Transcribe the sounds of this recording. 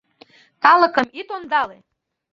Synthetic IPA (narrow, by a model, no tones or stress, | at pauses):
t̪ɑlɤ̆kə̆mit̪ond̪ɑle